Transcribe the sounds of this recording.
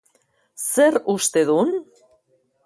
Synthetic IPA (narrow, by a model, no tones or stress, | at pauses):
serust̪eðun